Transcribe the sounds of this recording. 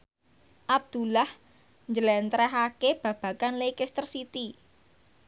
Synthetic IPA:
ʔab̚d̪̥ṳlah | ɲd͡ʒəlɛnt̪ɾɛɦakeb̥ä̤b̥ä̤kanlekɪst̪ərsit̪i

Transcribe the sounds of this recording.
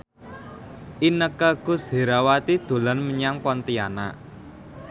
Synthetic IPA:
ʔinəkəɡ̥ʊ̤sheɾawat̪id̪̥o̤lanməɲaŋpɔnt̪iana̰

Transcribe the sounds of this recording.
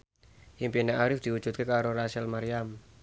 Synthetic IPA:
ʔimpinaʔaɾɪfd̪̥iudʒ̥ut̪̚kekaɾoɾasɛlmaɾiam

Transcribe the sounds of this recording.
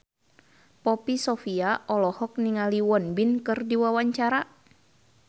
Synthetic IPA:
pɔpisɔfiaʔɔlɔhɔk̚niŋaliwɔnbinkɨrdiwawaɲt͡ʃaɾa

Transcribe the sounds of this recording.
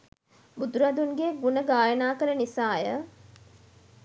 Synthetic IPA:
bud̪uɾɐd̪unɡeɡunəɡaːjənaːkəɾənisaːjə

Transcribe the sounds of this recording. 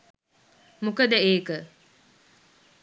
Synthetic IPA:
mukəd̪əeːkə

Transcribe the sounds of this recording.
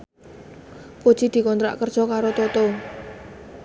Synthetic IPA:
kod̥ʒ̥id̪̥i̤kɔnt̪ɾa̰ʔkərd̥ʒ̥ɔkaɾot̪ot̪o

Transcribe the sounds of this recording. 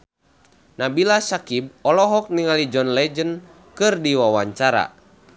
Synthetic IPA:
nabilasakib̚ɔlɔɦɔk̚niŋalid͡ʒɔnlɛd͡ʒən | kɨrdiwawaɲt͡ʃaɾa̰

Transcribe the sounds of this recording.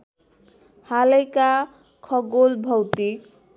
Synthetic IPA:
halʌjka | kʰʌɡolbʱʌwt̪ik̚

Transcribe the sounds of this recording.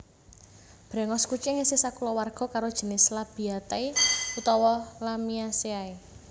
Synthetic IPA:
b̥ɾɛ̤ŋɔskut͡ʃeŋesisakulɔwarɡ̥ɔ̤kaɾod̥ʒ̥ə̤nɪslab̥i̤at̪ajut̪ɔwɔlamiaseae

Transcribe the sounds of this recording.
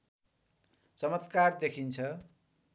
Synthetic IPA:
t͡sʌmʌt̪kard̪ekʰint͡sʰʌ

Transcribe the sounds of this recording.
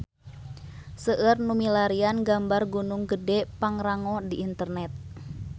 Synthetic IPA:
səʔərnumilaɾianɡambarɡunuŋɡədɛpaŋɾaŋɔdiʔːnt̪ərnɛt̪̚

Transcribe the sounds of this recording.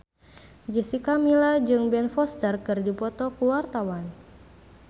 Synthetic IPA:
d͡ʒisikamilad͡ʒɨŋbɛnfɔst̪ərkɨrdipɔt̪ɔkuwart̪awan

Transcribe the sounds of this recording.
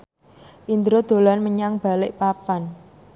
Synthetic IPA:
ʔind̪ɾod̪̥o̤lanməɲaŋb̥a̤lɪʔpapan

